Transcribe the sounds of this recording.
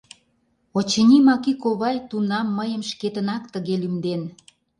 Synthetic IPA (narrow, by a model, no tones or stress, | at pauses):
ot͡ɕə̆nʲimɑkikoβɑjt̪unɑmːəjə̆mʃket̪ənɑkt̪əɣelymd̪en